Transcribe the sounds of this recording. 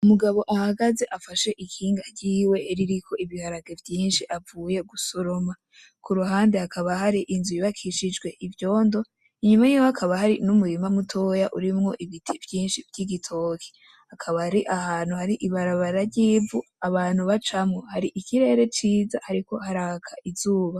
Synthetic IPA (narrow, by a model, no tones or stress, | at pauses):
umuɡaβo̞ʔahaɡaze̞ʔafaʃe̞ʔikʰiːŋɡaɟiːwe̞ɾiɾikʰo̞iβihaɾaɡe̞vjiːnʃiʔavuːje̞ɡusoɾo̞ma | kʰuɾuɦaːndehakaβahaɾiʔinzujiβakʰiʃid͡ʒɡwe̞ʔivjo̞ːndo̞ | iɲumajiwoakʰaβahaɾinumuɾimamutʰo̞jaʔuɾimŋo̞ʔiβitʰivjiːnʃivjiɡitʰo̞ːkʰi̥ | hakʰaβaɾiʔahaːn̥huhaɾiʔiβaɾaβaɾaɾɟiːvu | aβaːn̥huβat͡ʃamŋo̞haɾiʔikiɾe̞ːɾe̞t͡ʃiːzahaɾiko̞haɾaːkʰaʔizuːβa